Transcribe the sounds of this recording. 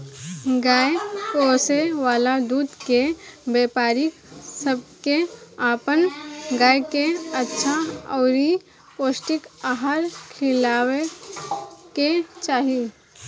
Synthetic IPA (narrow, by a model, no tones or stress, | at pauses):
ɡaːepoːseʋaːlad̪uːd̪kebeːpaːɾɪk | səb̚keaːpənɡaːjkeɐtːʃʰaɔːɾi | poːsʈɪkaɦaːɾkʰɪlaːwe | ket͡ʃaːɦie